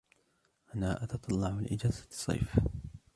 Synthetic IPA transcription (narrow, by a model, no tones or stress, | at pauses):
ʔanaːʔɑt̪ɑt̪ˤɑlːɑʕalʔɪd͡ʒaːzasˤːɑ̰jf